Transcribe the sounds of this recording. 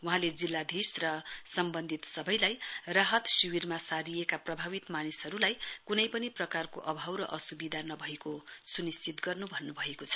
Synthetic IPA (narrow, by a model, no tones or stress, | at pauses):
wuɦãled͡zilːad̪ʱisrʌsʌmbʌnd̪ʱit̪sʌbʌjlajraɦʌt̪siwirmasaɾijekaprʌbʱaβit̪manisɦʌɾulajkunʌjpʌniprʌkarkoʔʌbʱawɾʌʔʌsubid̪ʱanʌbʱʌekosunist͡sit̪ɡʌrnubʱʌnːubʱʌekot͡sʰʌ̥